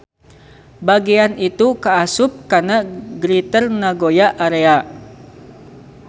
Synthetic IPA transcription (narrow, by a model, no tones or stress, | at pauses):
baɡianit̪ukaːsʊp̚kanaɡɾit̪ərnaɡojaʔaɾea